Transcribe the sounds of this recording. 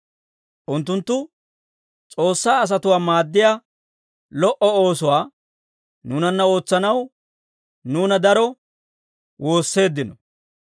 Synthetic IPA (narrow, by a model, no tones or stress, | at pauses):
ʔʊnt̪ːʊnt̪ːʊ | t͡sʼo̞ːsːaːs̬ɐt̪ʊwaːmaːd̪ːɪjaː | lɔʔɔoːsʊwaː | nuːnɐnːɐo̞ːt͡sːɐnɐw | nuːnɐd̪ɐɾɔ | wʔo̞ːsːe̞ːd̪ːɪnɔ